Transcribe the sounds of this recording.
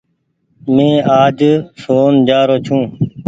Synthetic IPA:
mẽːaːd͡ʒsoːnd͡ʒaːɾoːt͡ʃʰũː

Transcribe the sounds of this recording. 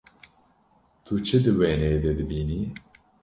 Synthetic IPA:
t̪ʰut͡ʃʰɨd̪ɨwɛːnɛed̪ɛd̪ɨbiːniː

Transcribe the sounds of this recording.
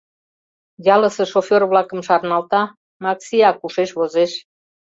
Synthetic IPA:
jɑlə̆sĕʃofʲerβlɑkə̆mʃɑɾnɑlt̪ɑ | mɑksʲiɑkuʃeʃβozeʃ

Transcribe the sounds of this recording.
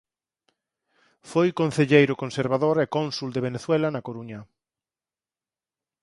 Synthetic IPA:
fojkõn̟θeʎejɾʊkonseɾβaðoɾɛkonsuld̪eβeneθwɛlɐnɐkoɾuɲɐ

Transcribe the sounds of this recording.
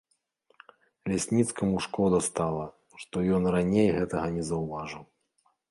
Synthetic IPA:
lʲasʲnʲit̪skɐmuʂkɔd̪ɐst̪alˠɐ | ʂt̪ɔjɔnranʲejɣɛt̪ɐɣɐnʲɛzɐwvaʐɨw

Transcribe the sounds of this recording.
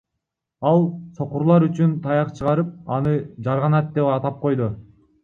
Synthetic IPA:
ɑlˠso̞quɾlˠɑɾyt͡ʃynt̪ʰɑjɑqt͡ʃʰɯʁɑɾɯp̚ɑnɯd͡ʒɑɾʁɑnɑt̪̚d̪epɑt̪ɑp̚qo̞jd̪u

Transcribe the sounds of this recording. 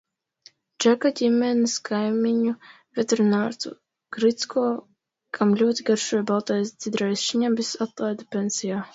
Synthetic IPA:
d͡ʒakaɟʲimʲɛniskʰajmiɲu | vʲɛt̪eɾnaɾt̪ṵ | ɡ̥ɾit̪skʰɔː | kʰamlʲuɔt̪ʲiɡaɾʃujbalˠt̪ajsz̥ʲid̪ɾajsʃiɲambisat̪lˠajd̪apʲensijaː

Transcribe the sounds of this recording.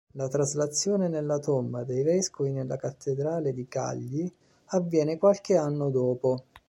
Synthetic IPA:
lat̪ɾazlat̪sːjɔːnenelːat̪ombad̪ejvɛskovinelːakat̪ʰːed̪ɾaːled̪ika̰ʎːi | avːjɛːnekwalk̟eanːod̪ɔːpo

